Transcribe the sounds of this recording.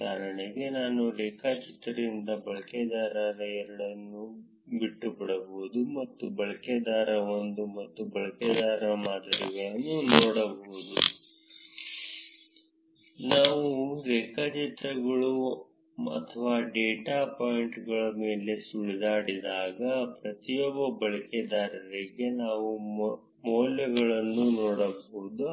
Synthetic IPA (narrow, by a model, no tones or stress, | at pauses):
kaːɾɐɳiɡe̞naːnulɛːkaːt͡ʃit̪ɾɐd̪ind̪ɐbɐɭɐkɛd̪aːɾɐɾɐjɐɾuɭɐnːu | biʈːubɐɽɐboud̪umɐt̪ːubɐɭɐked̪aːɾɐʋond̪umɐt̪ːubɐɭɐkɛd̪aːɾɐmaːd̪ɐɾḭɡɐjɐnːunɔːɽɐboud̪ṵ | naːʋuɾeːkɐt͡ʃit̪ɾɐɡɐɭu | ɐ̰t̪ʰɐʋaːɖeːʈaːpoːjiɳʈɡɐɭɐme̞ːle̞suɭid̪aːɽid̪aːɡɐpɾɐt̪ijɔbːɐbɐɭɐkɛd̪aːɾɐɾiɡe̞naːʋu | moːljɐɡɐɭɐnːunɔːɽɐboɦud̪u